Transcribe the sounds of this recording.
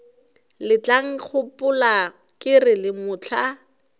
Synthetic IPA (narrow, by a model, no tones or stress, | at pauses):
lɪt͡ɬaŋ̩k͡xʰʊpʊla | kɪrɪlɪmʊːt͡ɬʰa